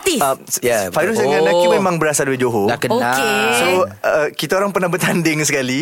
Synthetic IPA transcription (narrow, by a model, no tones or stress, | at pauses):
t̪iajafajɾusdəŋanakimemãŋbəɾasaduid͡ʒoɦolakəakesoəkit̪aoɾaŋpərnahbət̪andɪŋsəkali